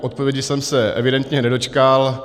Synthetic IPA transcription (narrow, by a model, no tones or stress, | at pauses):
ʔot̪̚povjɛɟɪsɛmsɛʔɛ̰vɪdɛnt̪ɲɛnɛdo̞t͡ʃkal